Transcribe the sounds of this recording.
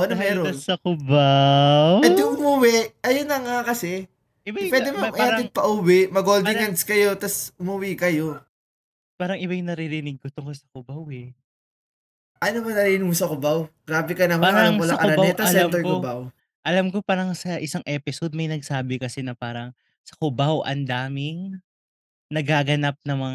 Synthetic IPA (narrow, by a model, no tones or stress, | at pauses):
ʔʔonɐmɛːɾoɐsɐkʊbawɛnd̪jʊŋʔʊmuwɪʔɐjonːɐŋakɐsɛ | ɪawɛd̪ɪmɐmʔɐaɪɡ̚pɐʔuwɪmɐɡold̪ɪŋɐnd̪skɐjo̞t̪ɐsʔʊmɐwikɐjo̞ | paːɾɐŋʔɪbajnɐɾiɾɪnɪɡ̚kot̪ʊŋkolsɐ̥kʊbawɛ | ʔɐnomɐŋnɐɾiːɪnɪɡ̚osɐkʊbawɡ̥ɾaːbɪkɐnɐmpaːɾɐŋmʊslaɐʔɐʊɾɐnbaɛt̪ɐslɛamt̪ɛɹkkʊobaw | ʔɐlɐmko̞paːɾɐŋsɐʔɪsaŋʔɛːpɪsod̪̚mɐjnɐɡ̚saːbɪkɐsɛnɐpaːɾɐŋ | sɐ̥kʊbawʔɐ̰nd̪aːmɪŋ | nɐɡaːɡɐnap̚nɐŋmɐŋ